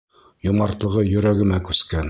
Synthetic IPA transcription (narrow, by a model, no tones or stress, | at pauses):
jomɑɾt̪lˠɤ̆ʁɤjɵ̆ɾæɡɘ̆mækʉskæn